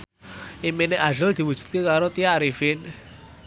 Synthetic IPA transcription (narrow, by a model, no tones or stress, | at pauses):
imineʔaʒəld̪̥i̤wu̥ʒ̥ṳ̥t̪̚kekaɾot̪ijaɾifɪn